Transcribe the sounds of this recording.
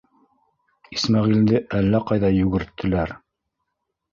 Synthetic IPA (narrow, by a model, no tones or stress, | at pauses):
ismɑʁild̪ɘʔælːæqɑjðɑjʉɡɘ̆ɾt̪ːɘ̆læɾ